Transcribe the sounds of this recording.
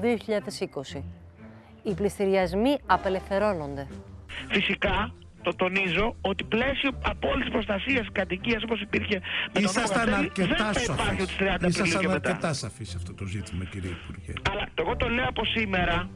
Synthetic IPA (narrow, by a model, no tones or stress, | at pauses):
ðio̞çiʎɐðesiko̞si | iplist̪iɾiɐzmiɐpe̞le̞fθe̞ɾo̞no̞nd̪e̞fisikɐ | t̪o̞t̪o̞nizo̞ot̪iple̞sio̞ɐpoolit̪is̬pɾost̪ɐsiɐsikɐt̪iciɐs̬oposipiɾçe̞metiosɐoɣɐnɐceðet̪ɐɐipɐɾçiot̪ist̪ɾiɐnd̪ɐispɾɐlɐenɐet̪et̪ɐsɐfisiɐft̪o̞t̪o̞zit̪imɐciɾieipuɾʝḛɐlɐt̪oeɣo̞t̪o̞le̞oɐpo̞sime̞ɾɐ